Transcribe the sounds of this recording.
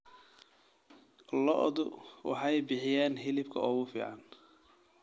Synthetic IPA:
lɔ̰ʔd̪ʊwɑ̰ħɑjbɪħɪjaːnɦɪlɪbkʰɐɔːɣʊfḭːʕɑn

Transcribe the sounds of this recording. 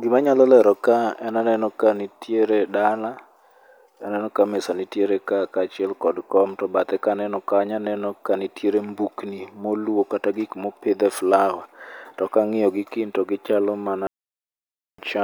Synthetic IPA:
ɡɪmaɲalɔlɛɾɔkaɛnanɛnɔkanitjeɾedala | ɛnɛnɔkamɪsanɪtjeɾekakat͡ʃɪɛlkɔdkɔmtɔbat̪ɛkanɛnɔkaɲanɛnɔkanɪtjeɾembuknimolwokataɡikmopɪd̪ɛflawatɔkaŋɪjɔɡɪkɪntɔɡɪt͡ʃalɔmana | t͡ʃa

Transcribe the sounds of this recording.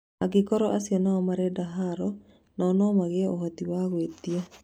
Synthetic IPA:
aɡɪkɔɾɔʔasjɔnaɔmaɾɛdaɦaɾɔ | nɔnɔmaɣeohat̪iwaɣwet̪ie

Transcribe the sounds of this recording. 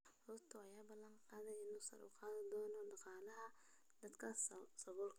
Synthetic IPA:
hʊːrt̪ʰʊɑjaːbɐlːɐŋqɑːðɐjɪnuːsɐ̰ɾʊ̰qɑːðɪd̪ɔːnɔɖɑqɑːlɐɦɐ | d̪ɐd̪kʰɐsɐɣʊːlkʰ

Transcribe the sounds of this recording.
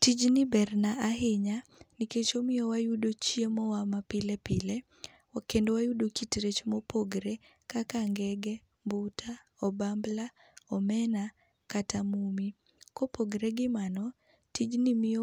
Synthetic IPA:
tid͡ʒnɪbɛrnaaɦɪɲanɪket͡ʃomɪjɔwajudot͡ʃjemɔwamapɪlepɪle | wakendowajudokitɾet͡ʃmɔpʰoɡɾe | kakaŋɡɛɡɛ | mbutʰa | ɔbambla | ɔmɛna | katamumi | kopoɡɾeɡɪmanɔ | tid͡ʒnɪmɪ

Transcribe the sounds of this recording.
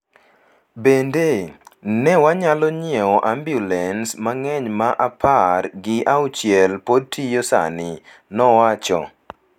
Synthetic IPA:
bendenɛwaɲalɔɲiɛɔʔambjulɛnsmaŋɛɲmaʔapʰarɡɪʔaut͡ʃjɛlpod̚tʰijosa̰nɪ | nɔwat͡ʃɔ̰

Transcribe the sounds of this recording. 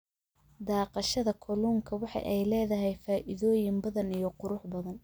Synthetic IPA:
d̪ɑːqɑʃɐðɐkʰʊluːŋkʰɐwɑħɑ̰jʔɛjlɛːðɐɦɛjfaːʔɪðɔːjɪmbɐðɐnijɞqʊɾʊħbɐðɐn

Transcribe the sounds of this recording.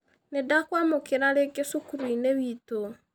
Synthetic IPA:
nedakwamokeɾaɾeɡesokuɾineβito

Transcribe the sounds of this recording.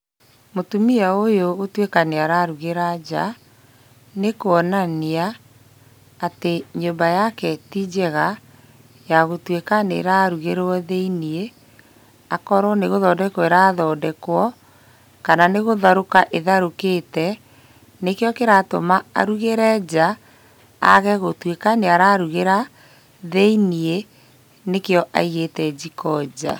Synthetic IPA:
motumiaojoːtwekaneaɾaɾuɣeɾad͡ʑa̰ | nekoɔnania | teɲombajakɛtid͡ʑɛɣa | jaɣotwekanḛɾaɾuɣeɾɔðeinie | akɔɾwɔneɣoðɔːdɛkweɾaːðɔːdɛkwɔ | kananeɣoðaɾokaʔeðaɾoketɛ | nekejɔkeɾatomaa̰ɾuɣeɾɛːd͡ʑa | a̰ɣɛɣotwekaneaɾaɾuɣeɾa | ðeinie | nekeɔʔa̰iɣetɛd͡ʑikɔd͡ʑa̰

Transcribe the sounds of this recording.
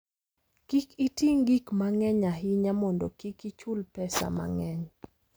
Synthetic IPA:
kikitiŋɡikmaŋɛɲaɦiɲamɔndɔ̰kikit͡ʃʊlpɛsa̰ma̰ŋɛɲ

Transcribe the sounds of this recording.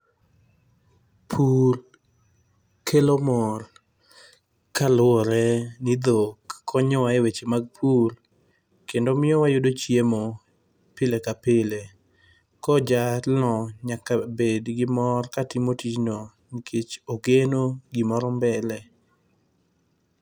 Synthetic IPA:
pʰul | kʰelomɔr | kalwɔɾɛnid̪okkʰɔɲɔwaewet͡ʃemaɡ̚pʰur | kendomɪjɔwajʊdot͡ʃjemɔ | pɪlekapɪle | kɔd͡ʒalɔɲakabedɡɪmɔrkatimotit͡ʃno | nikʰet͡ʃoɡenoɡɪmɔɾɔmbɛlɛ

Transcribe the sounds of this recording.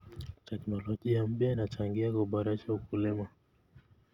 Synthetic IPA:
tɛknɔlɔʄiam̩pjainat͡ʃaŋɡiakuɓaɾaʃaukulɛma

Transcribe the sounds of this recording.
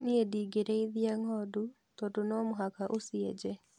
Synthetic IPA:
niediːɡeɾɛiðiaŋɔdu | tɔdonɔmoɦakaʔosiɛd͡ʒɛ

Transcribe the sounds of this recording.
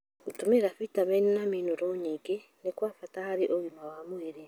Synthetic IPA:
utomeɾafitamenenaminoɾoɲiɡenekwaːfatahaɾeʔoɣimawamoeɾe

